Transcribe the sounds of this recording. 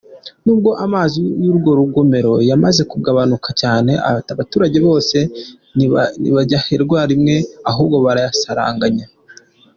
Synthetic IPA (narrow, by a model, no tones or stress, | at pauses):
nuːb̚ɡo̞ʔamaːzijuɾɡo̞ɾuɡo̞me̞ɾo̞jamaze̞kuɡaβanukacaːne̞a̰βatuːɾaɟe̞βo̞ːse̞ | nḭβaɟaheɾɡwaːɾimŋe̞aɦuːbɡo̞βaɾajasaɾa̰ːŋɡaɲa